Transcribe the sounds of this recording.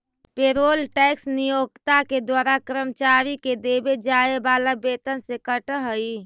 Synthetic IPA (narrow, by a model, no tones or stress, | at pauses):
peɾolʈɛksnijoɡt̪aked̪waɾakɾəmt͡ʃaɾiked̪ebed͡ʒaebalabet̪ənsekəʈɦəi